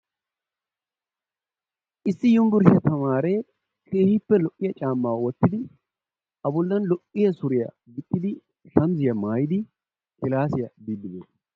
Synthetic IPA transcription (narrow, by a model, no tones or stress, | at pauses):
ʔɪsːɪjʊmbɪɾɪʃɐt̪ɐmaːɾeː | kʰeːhɪpːɛlɔʔːɪjɐt͡ʃʼaːmːawwɔt̪ːɪd̪ɪ | ɐbʊlːɐnlɔʔːɪjɐsʊɾɪjɐɡɪt̪ʼːɪd̪ɪ | ʃɐnzɪjɐmaːjɪd̪ɪ | kɪlaːsɪjɐbiːd̪ɪne